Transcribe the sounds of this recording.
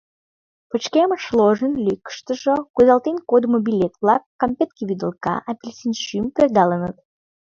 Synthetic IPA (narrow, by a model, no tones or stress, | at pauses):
pət͡ɕkeməʃloʒənlʲikə̥ʃt̪əʒəkuzɑlˠt̪enkod̪mobilʲet̪vlɑkːɑmpʲet̪kʲiβid̪əlˠkɑ̰ʔɑpʲilʲsʲinʃympørd̪ɑlənət̪̚